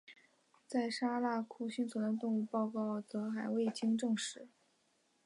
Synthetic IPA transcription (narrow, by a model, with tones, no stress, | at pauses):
t͡sa˥˩ɪʂa˥la˥˩kʰu˥˩ɕy˥˩nt͡sʰu˧˥d̪ə˧t̪ʊ˥˧ŋu˥˧pɑ˥˧ʊkɑ˥˩ʊt͡sɤ˧˥xa˨˩ɪwe˥˩ɪt͡ɕʰi˥ŋʈ͡ʂɤ˥˧ŋʂɻ̩˧˩˦